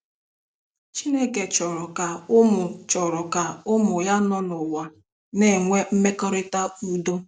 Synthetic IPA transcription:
t͡ʃi˦ne˦ke˨t͡ʃɔ˨ɾɔ˨ka˨ʊ˦mʊ˨t͡ʃɔ˨ɾɔ˨ka˨ʊ˦mʊ˨ja˦nɔ˦nʊ˨wa˨ | ne˨ŋʷe˦m̩˦me˦kɔ˦ɾɪ˦ta˦u˦do˦

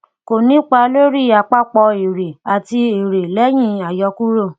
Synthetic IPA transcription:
ko˨nĩ˦k͡pa˧lo˦ɾi˦˨a˨˧˨k͡pa˦k͡pɔ˧e˨ɾe˨a˨ti˧e˨ɾe˨lɛ˦j̃ĩ˦˨a˨jɔ˧ku˦ɾo˦˨

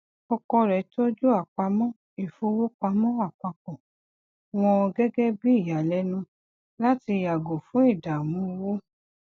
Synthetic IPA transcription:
ɔ˧kɔ˧ɾɛ˨˦to˦d͡ʒu˦a˦˨k͡pa˧˦mɔ̃˦ | i˨fo˧˦wo˦k͡pa˧mɔ̃˦a˦˨k͡pa˧k͡pɔ̃˨ | w̃ɔ̃˧ɡɛ˦ɡɛ˦bi˦i˦˨ja˨lɛ˨˦nũ˧ | la˦ti˧˨ja˨ɡo˨fũ˨˦i˦˨da˨mũ˨˦˧wo˦

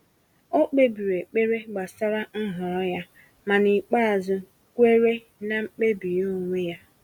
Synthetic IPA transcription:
o˦k͡pe˦bi˨ɾe˨k͡pe˦ɾe˦ɡ͡ba˨sa˦ɾa˦n̩˦ɦɔ˨ɔ˦ja˦ | ma˨ni˨k͡pa˦a˨zʊ˦ | kʷe˦ɾe˦ | na˨ŋ͡m̩˦k͡pe˦bi˨ɾŋʷe˦ja˦

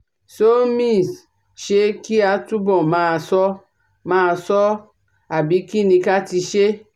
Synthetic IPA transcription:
so˦mĩ˦˨s | ʃe˦ki˦a˨tu˦bɔ˨mã˦˨sɔ˦ | mã˦˨sɔ˦ | a˨bi˨˦ki˦nĩ˧˦ka˦ti˧ʃe˦

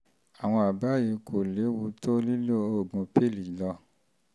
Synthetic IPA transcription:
a˨w̃ɔ̃˧a˨ba˦˨ji˧kʰo˨le˨˦wu˧to˦li˦lo˦o˦˨ɡũ˨˧˦pe˦˨li˨lɔ˧

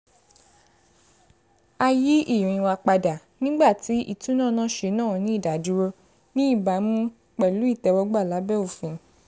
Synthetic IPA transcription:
a˧ji˦ʔĩ˦˨ĩ˧wa˧k͡pa˧da˨ | nĩ˦ɡ͡ba˦˨ti˨˦ʔḭ˦˨tũ˨˦nãː˦˨nã˦˨˦ʃe˧˦nãː˦˨˧nĩ˦i˦˨da˨du˨˦ɾo˧ | nĩ˦i˦˨ba˨˦m̃ũ˦ | k͡pɛ˨lu˨˦i˦˨tɛ˧wɔ˧ɡ͡ba˦˨la˨˦bɛ˦o˦˨fĩ˨˧˦

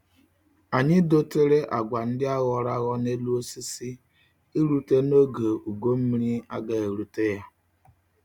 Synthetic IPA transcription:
a˨ɲɪ˦do˦te˦ɾe˦ʔa˨ɡʷa˨n̩˦dɪ˦a˦ɣɔ˨ɾa˦ɣɔ˦ne˦lu˦o˦si˦si˦ | i˦ɾu˨te˦no˦ɡe˨u˨ɡo˦m̩˦mi˦ɾi˦a˦ɡa˦e˨ɾu˨te˦ja˦

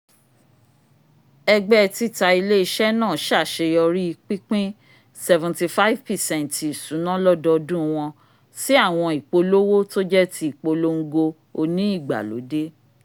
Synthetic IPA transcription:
ɛ˧ɡ͡bɛ˦˧ti˦˨ta˧i˧le˦i˦˧ʃɛ˦nãː˦˨ʃa˦˨ʃe˧jɔ˧ɾi˦i˧k͡pi˦k͡pĩ˦ | sɛ˧vɛ̃˨nti˧fa˦i˦vpɛ˨sɛ̃˦˨nti˨sũ˨˦nã˦lɔ˦dɔ˧dũ˦˧w̃ɔ̃˧ | si˦a˦˨w̃ɔ̃˧i˨k͡po˧lo˦wo˦to˦d͡ʒɛ˦tʰi˧˦i˨k͡po˧lo˦ŋ̩˦ɡo˧ | o˧nĩ˦i˦˨ɡ͡ba̰˨lo̰˨˦de˦

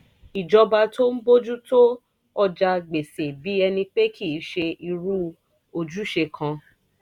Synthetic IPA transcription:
i˨d͡ʒɔ˧ba˧to˦n̩˦bo˦d͡ʒu˦to˦ | ɔ˧d͡ʒa˧ɡ͡be˨se˨bi˨˦ɛ˧nĩ˧k͡pe˦kʰi˦˨˦ʃe˧i˧ɾu˦ | o˧d͡ʒu˦ʃe˧kʰã˧

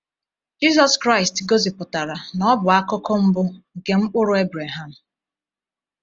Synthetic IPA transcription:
d͡ʒi˦zɔ˨skɾa˦ɪ˨stɡo˦zi˨pʊ˨ta˨ɾa˨nɔ˦bʊ˨a˦kɔ˦kɔ˦m̩˦bʊ˦˨ke˨ŋ͡m̩˦k͡pʊ˦ɾʊ˦e˦bɾa˨ɦa˨m̩˨

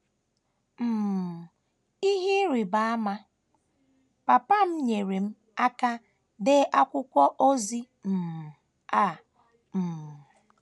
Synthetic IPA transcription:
m̩˨ | i˦ɦi˦ɾi˨ba˨a˦ma˦ | pa˨pa˦m̩˦ɲe˨ɾe˨m̩˦ | a˦ka˦ | dɪ˦ʔa˦kʷʊ˦kʷɔ˦ʔo˦zi˦ | m̩˨ | a˦˨ | m̩˨

